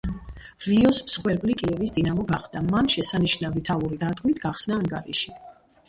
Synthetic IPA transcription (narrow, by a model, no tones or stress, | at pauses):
ɾiɔsmsχwɛɾbʼlikʼiɛvisd̪inamɔɡaχd̪amanʃɛsaniʃnavit̪ʰauɾid̪aɾt̪ʼkʼmit̪ʰɡaχsnaːŋɡaɾḭʃi